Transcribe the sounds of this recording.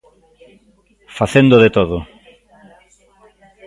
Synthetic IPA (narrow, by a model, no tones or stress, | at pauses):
faθend̪oðet̪oðo